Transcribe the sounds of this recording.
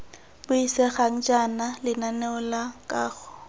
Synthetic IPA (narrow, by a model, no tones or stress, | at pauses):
bʊisɛχaŋ̩d͡ʒanalɪnanɛʊlakʼaːɣʊ̥